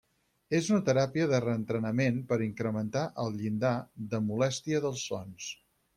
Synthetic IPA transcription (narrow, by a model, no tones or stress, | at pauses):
ezunət̪əɾapiəðərəːnt̪ɾənəmenpəɾiŋkɾəmənt̪aʔəlˠʎind̪aðəmulɛst̪iəðəlˠsːɔ̰ns